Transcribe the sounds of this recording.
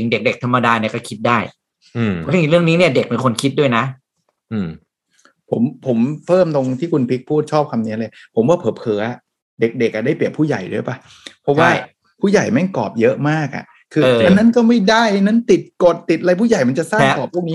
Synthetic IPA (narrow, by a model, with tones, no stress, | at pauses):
t͡ɕɯ˧ŋde˨˩k̚de˨˩k̚t̪ʰa˧mːa˧daː˧ni˥˩ɐkɔː˥˩kʰi˦˥t̪̚daː˥˩j | ɾɯ˥˩əŋniː˦˥ni˥˩ɐde˨˩k̚pe˧nkʰo˧nkʰi˦˥t̪̚du˥˩əjna˦˥ʔ | ʔɯː˧˩ | pʰo˩˦mpʰo˩˦mpʰɤː˥˩mt̪o˧ŋt̪ʰiː˥˩kʰu˧npʰi˦˥k̚pʰuː˥˩t̪̚t͡ɕʰɔː˥˩p̚kʰa˧mniː˧˦˥lɤː˧jpʰo˩˦mwaː˥˩pʰɤː˩˦pʰɤː˩˦a˨˩ | de˨˩k̚de˨˩k̚ʔa˨˩da˥˩jpli˨˩ət̚pʰuː˥˩ja̰˨˩jdu˥˩pa˧˩ | pʰɔ˦˥waː˥˩ | pʰuː˥˩ja˨˩jma˥˩jkɔː˨˩p̚jɤ˦˥ʔmaː˥˩k̚ʔa̰˨˩ʔ | kʰɯː˧ɤː˧ʔa˧nːa˦˥nkɔː˥˩ma˥˩jda˥˩jna˦˥nt̪i˨˩t̪̚ko˨˩t̪̚ːi˨˩t̪̚ʔa˧ɾa˧jpʰuː˥˩ja˨˩jma˧nt͡ɕa˨˩saː˥˩ŋ˦˥t̪ɔː˨˩pʰu˥˩ŋ̚ni˦˥